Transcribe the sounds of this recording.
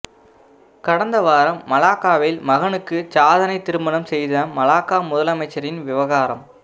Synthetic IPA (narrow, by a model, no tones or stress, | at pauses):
kɐɽɐnd̪ɐʋaːɾɐmːɐlaːkːaːʋelmɐɣɐnɯkːɯsaːðɐnɐɪt̪ɪɾɯmbɐnɐmsɛjðɐmɐlaːkaːmʊðɐlɐmɐɪt͡ʃːɐɾɪnʋɪʋɐɣaːɾɐm